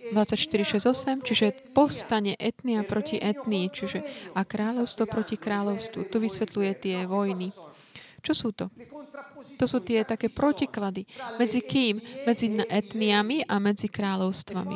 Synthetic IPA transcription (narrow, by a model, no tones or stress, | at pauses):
d̪ʋat͡sacʃt̪iɾiʃɛzɔsɛmt͡ʃiʒɛpɔfst̪aɲɛʔɛt̪niapɾɔciʔɛt̪niit͡ʃiʒɛakːɾaːʎɔʊst̪ʋɔpɾɔcikɾaːʎɔʊst̪ʋṵt̪uʋisʋɛt̪lujɛt̪ɪɛʋɔjni | t͡ʃɔsuːt̪ɔ | t̪ɔsuːt̪ɪɛt̪akɛːpɾɔciklad̪imɛd͡zikiːmːɛd͡zinʔɛt̪niamiʔamɛd͡zikɾaːʎɔʊst̪ʋamḭ